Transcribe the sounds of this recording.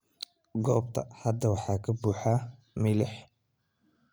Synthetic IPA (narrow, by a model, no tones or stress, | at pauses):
ɡɔːb̚t̪ʰɐ̰hɐd̪ːɐwɑħɑːkʰɐbuːħa | mɪlɪħ